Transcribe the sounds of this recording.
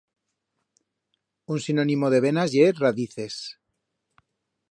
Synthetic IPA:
unsinonimoðe̞β̞enazjeraðiθe̞s

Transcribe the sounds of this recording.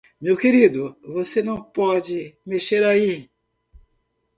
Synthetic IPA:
mewkeɾid̪uvosenɐ̃w̃pɔd͡ʒɪmeʃeɾai

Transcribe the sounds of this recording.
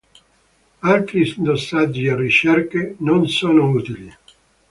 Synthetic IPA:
alt̪ɾid̪osːad͡ʒːierːit͡ʃɛrkenonsoːnouːt̪ili

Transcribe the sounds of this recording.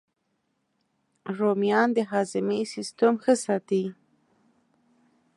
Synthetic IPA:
ɾomjɑnd̪əɦɑzɪmesɪst̪əmxəsɑt̪i

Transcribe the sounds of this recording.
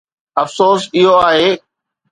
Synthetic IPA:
ɐfsoːsɪɦoaːɦeː

